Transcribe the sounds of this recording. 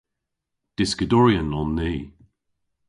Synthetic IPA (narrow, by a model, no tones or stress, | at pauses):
d̥ɪskədɔɹiənɔnːiː